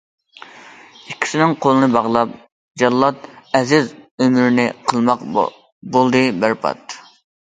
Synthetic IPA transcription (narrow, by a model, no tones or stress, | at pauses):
ikʲʰːi̥sɪnɪŋqʰolˠɨnɨbɑʁlˠɑp̚ | d͡ʒɑlˠːɑt̪̚ɛzɪzømyɾɪnɪqʰəlˠmɑq | bolˠd̪ɨbæɾpʰɑ̰t̪